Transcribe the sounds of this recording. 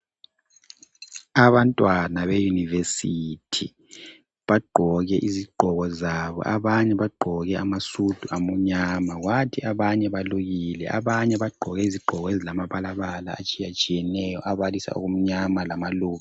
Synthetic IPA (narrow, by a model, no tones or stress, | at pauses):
aβantʼwanaβejunivesitʰi | βaɡ͡ǃʱɔɣɛʔiziɡ͡ǃʱɔɣɔzaβɔ̰ʔaβaɲɛβaɡ͡ǃʱɔɣɛamasud̥ʱuʔamuɲamaɣwatʰiaβaɲɛβaluɣilɛʔa̰βaɲɛβaɡ͡ǃʱɔɣɛiziɡ͡ǃʱɔɣɔezilamaβalaβala̰at͡ʃʼijat͡ʃʼijɛnɛjɔ̰ʔaβalisa̰ṵɣum̩ɲamalamaluːɣa